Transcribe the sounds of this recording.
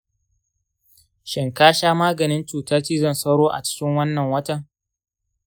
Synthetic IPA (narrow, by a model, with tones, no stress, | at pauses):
ʃɪ˨ŋkaː˦ʃaː˦maː˦ɡɐ˨nɪ˦nt͡ʃuː˨tɐ˦rt͡ʃiː˦zɐ˦˨nsɐ˦wɽoː˦ʔa̰˨t͡ʃɪ̥˦kʲɪ˦ŋwɐ˦nːɐ˨ŋwɐ˦tɐ˨ŋ